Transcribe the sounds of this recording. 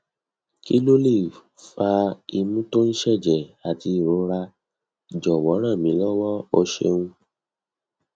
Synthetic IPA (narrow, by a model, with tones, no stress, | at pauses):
ki˦lo˦le˦˨ | fa˧i˧mũ˦to˦n̩˦ʃɛ˦˨d͡ʒɛ˨a˨ti˧˦i˦˨ɾo˨˦ɾa˧ | i˨d͡ʒɔ˨wɔ˨˦ɾ̃ã˦˨mĩ˨˦lɔ˦wɔ˦ɔ˧ʃḛ˧ŋũ˧